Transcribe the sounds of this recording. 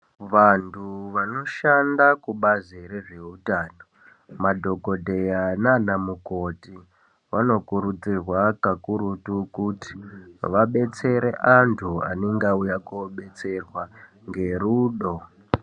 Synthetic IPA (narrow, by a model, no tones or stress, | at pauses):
ʋantʰuʋano̞ʃandakuɓaziɾeʐe̞utaːno | madʱo̞ko̞dʱe̞jananamukoti | ʋano̞kuɾud͡zirwakakuɾutukuti̥ʋaɓe̞t͡se̞ɾeʔantʰua̰niŋɡaujakoɓe̞t͡se̞rwa | ŋɡe̞ɾuːɗo